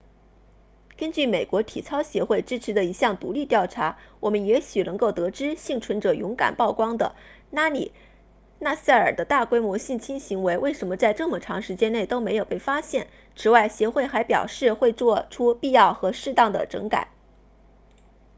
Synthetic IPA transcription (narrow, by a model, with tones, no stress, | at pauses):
kə˥nt͡ɕy˥˩me˨˩ɪkwɔ˧˥t̪ʰḭ˨˩t͡sʰɑ˥ʊɕjɛ˧˥xwe˥˩ɪʈ͡ʂɻ̩˥ʈ͡ʂʰɻ̩˧˥d̪ə˧i˧˥ɕjɑ˥˩ŋt̪u˧˥li˥˧t̪jɑ˥˩ʊʈ͡ʂʰa˧˥wɔ˨˩mə˦njɛ˧˥ɕy˨˩nɤ˧˥ŋko˥˩ʊt̪ɤ˧˥ʈ͡ʂɻ̩˥ɕi˥˩ŋt͡sʰwə˧˥nʈ͡ʂɤ˨˩jʊ˧˥ŋka̰˨˩npɑ˥˩ʊkwɑ˥ŋd̪ə̰˨ | na˥nḭ˨˩ | na˥˧sa˥˩ə̰˞˨˩d̪ə˦t̪a˥˩kwe˥ɪmwɔ˧˥ɕi˥˩nt͡ɕʰi˥nɕi˧˥ŋwe˧˥ɪwʔe˥˩ɪʂə˧˥nmə˧t͡sa˥˧ɪʈ͡ʂɤ˥˩mə˩ʈ͡ʂʰɑ˧˥ŋʂɻ̩˧˥t͡ɕjɛ˥ne˥˩ɪt̪o˥ʊme˧˥ɪjo˨˩pe˥˩ɪfa˥ɕjɛ˥˩n | t͡sʰɻ̩˧˥wa˥˩ɪɕjɛ˧˥xwe˥˩ɪxa˧˥ɪpjɑ̰˨˩ʊʂɻ̩˥˧xwe˥˧ɪt͡swɔ˥˧ʈ͡ʂʰu˥pi˥˧jɑ˥˩ʊxɤ˧˥ʂɻ̩˥˧t̪ɑ˥˩ŋd̪ə̰˩ʈ͡ʂɤ̰˧˥ŋka̰˨˩˦